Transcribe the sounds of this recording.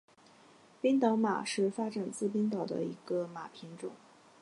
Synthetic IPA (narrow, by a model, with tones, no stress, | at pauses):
pi˥ŋt̪ɑ˧˥ma̰˨˩ʂɻ̩˥˩fa˥ʈ͡ʂa˨˩nt͡sɹ̩˥˩p̬i˥ŋt̪ɑ˨˩ʊd̪ə̰˦i˧˥ɡ̥ə˧ma˨˩pʰi˧˥ŋʈ͡ʂʊ˨˩˦ŋ